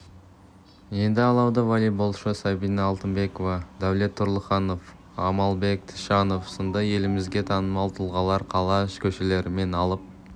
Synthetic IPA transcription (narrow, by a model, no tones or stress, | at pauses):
je̞nd̪ɪɑlˠɑwd̪əvalijbo̞lˠʃəsɑbinɑɑlˠt̪ənbe̞kovɑd̪æwle̞t̪ʰːʊɾlˠəχɑno̞f | ɑmɑlˠbe̞k̚t̪ʰə̥ʃɑno̞fsond̪ɑje̞lɪmɪzɡʲe̞t̪ʰɑnəmɑlˠt̪ʰəlˠʁɑlˠɑɾqʰɑlˠɑɪʃkʲʰɵʃele̞ɾɪme̞nɑlˠəp̚